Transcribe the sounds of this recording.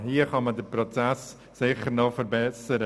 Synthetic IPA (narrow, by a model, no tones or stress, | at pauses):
hiːəχɑmədəɾpɾot͡sæs | sɪχəɾnɔfəɾbɛsəɾə